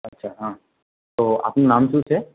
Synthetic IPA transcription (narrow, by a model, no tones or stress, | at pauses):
ɐtːʃʰaːɦãː | t̪oːa̰ːpnunaːmsuːt͡ʃʰɛ